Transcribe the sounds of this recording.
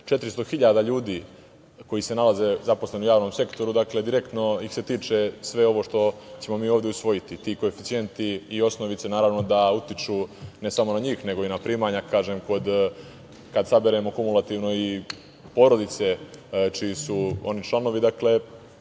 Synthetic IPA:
t͡ʃe̞t̪ɾist̪o̞xiʎad̪aʎuːd̪iː | ko̞jise̞nalaze̞zaposle̞nujaːʋno̞mse̞kt̪o̞ɾud̪akle̞d̪iɾe̞kt̪no̞ixse̞t̪iːt͡ʃe̞sʋe̞o̞ʋo̞ʂt̪o̞t͡ɕe̞mo̞miːoːʋd̪eusʋo̞jit̪it̪iko̞efit̪sije̞nt̪iːo̞sno̞ʋit̪se̞naːɾaʋno̞d̪aut̪it͡ʃuːne̞samo̞naɲiːxne̞ɡo̞inapɾiːmaɲakaːʒemko̞d̪ | kad̪sabeɾemo̞kumulˠat̪iːʋno̞i | po̞ːɾo̞d̪it̪se̞t͡ʃijisuo̞̰nit͡ʃlˠano̞ʋid̪akle̞

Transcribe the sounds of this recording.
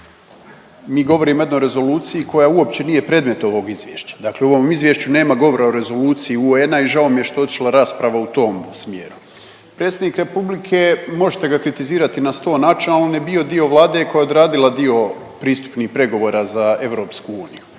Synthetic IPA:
miːɡo̞ʋo̞ɾiːmoje̞d̪noɾe̞zo̞luːt̪sijiko̞jaːuo̞pt͡ɕe̞nije̞pɾe̞ːd̪me̞t̪o̞ʋo̞ɡizʋjḛːʃt͡ɕḁd̪akleo̞ʋo̞mizʋjeʃt͡ɕune̞ːmaɡo̞ʋo̞ɾaoɾe̞zo̞luːt̪sijiuenaiʒaomijeʃt̪oo̞t̪i̥ʃlˠaɾaːspɾaʋaut̪o̞ːmsmjḛɾu | pɾe̞ːt̪sed̪nikɾe̞publikʰe̞mo̞ʒet̪e̞ɡakɾit̪iziːɾat̪inast̪o̞ːnat͡ʃinalinebio̞d̪io̞ʋlˠaːd̪e̞ko̞jao̞d̪ɾaːd̪ilˠad̪io̞ | pɾiːst̪u̥pniːxpɾe̞ɡo̞ʋo̞ːɾazae̞ʋɾo̞ːpskuuːniju

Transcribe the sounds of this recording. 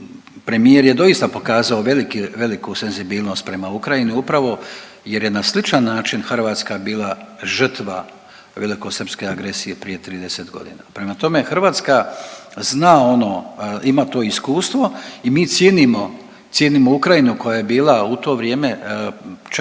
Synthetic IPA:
pɾe̞mije̞ɾje̞d̪o̞ist̪apo̞kaːzaoʋe̞likiʋe̞likuse̞nzibiːlˠno̞st̪̚pɾe̞maukɾajiniupɾaʋo̞ | je̞ɾje̞naslit͡ʃanːaːt͡ʃinxrʋaːt̪skabiːlˠaʒr̩t̪ʋa | ʋe̞liko̞sr̩pske̞aɡɾe̞sije̞pɾije̞t̪ɾiːd̪ese̞t̪ɡo̞̰d̪ḭːnapɾe̞mat̪o̞me̞xr̩ʋaːt̪skaznaːo̞no̞imaːt̪o̞ːiskuːst̪ʋo̞imiːt̪sjeːnimo̞ | tsjeːnimo̞ukɾajinuko̞jaje̞biːlˠaut̪o̞ːʋɾje̞ːme̞ | t͡ʃ

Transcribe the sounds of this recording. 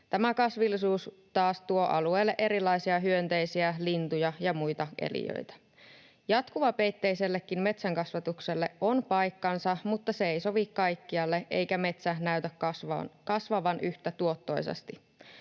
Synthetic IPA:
t̪æmækɑsʋilːisuːs | t̪ɑːst̪uo̞ʔɑ̰lueːlːeʔe̞ɾilːˑɑisiɑɦyø̞nt̪e̞jsiælint̪ujɑjɑmujt̪ɑʔḛlḭjø̰jt̪æ̥ | jɑt̪kuʋɑpe̞jt̪ːe̞jse̞lːekːinme̞t̪sæŋkɑsʋɑt̪ukse̞lːe̞ʔo̞npɑjkːɑnsɑmut̪ːɑseejso̞ʋikːɑjkːiɑlːe̞e̞̰jkæme̞t̪sænæyt̪ækɑskɑsʋɑʋɑnyht̪æt̪uo̞t̪ːo̞jsḛst̪i

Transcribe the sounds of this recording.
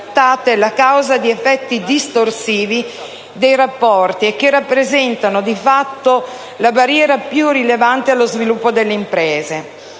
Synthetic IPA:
t̪ːaːt̪ɛlakawzad̪iefːɛt̪ːid̪ist̪orsiːvi | d̪ejrapːɔrt̪iek̟ːerːapːɾezɛnt̪anod̪ifat̪ːo | labarjɛːɾapjurilevant̪ealːozvilupːod̪elːeimpɾɛːze

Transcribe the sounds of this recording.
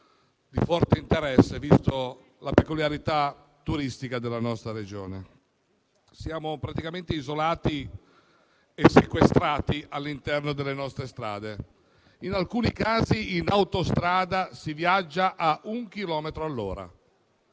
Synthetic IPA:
d̪ifɔrt̪eint̪eɾɛsːevist̪o | lapekuljaɾit̪a | t̪ːuɾist̪ikad̪elːanɔst̪ɾaɾed͡ʒo̰ːne | sjaːmopɾat̪ikament̪eizolaːt̪i | esːekwest̪ɾaːt̪iʔalːint̪ɛrnod̪elːenɔst̪ɾest̪ɾa̰ːd̪e | inalkuːnikaːziːnawt̪ost̪ɾaːd̪asivjad͡ʒːaʔaʔuŋk̟ilɔːmet̪ɾoalːo̰ːɾa̰

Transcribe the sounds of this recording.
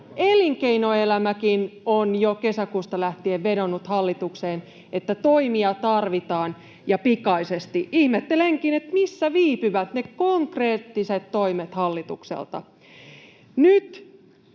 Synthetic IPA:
eliŋkeinoelæmækinonjokesækuːst̪ɑlæht̪ieʋːedonːut̪hɑlːit̪ukseːn | et̪ːæt̪oimiɑt̪ɑrʋit̪ɑːn | jɑpikɑisest̪iʔihmet̪ːeleŋkinet̪misːæʋiːpyʋæt̪nekoŋkreːt̪ːiset̪toimet̪hɑlːit̪ṵksḛlt̪ɑ̰ | nyt̪

